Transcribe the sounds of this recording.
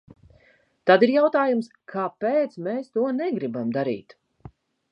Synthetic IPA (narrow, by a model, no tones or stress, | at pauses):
t̪ad̪iɾjawt̪aːjumskʰaːpeːt̪smeːst̪uɔnɛɡɾibamd̪aɾḭːt̪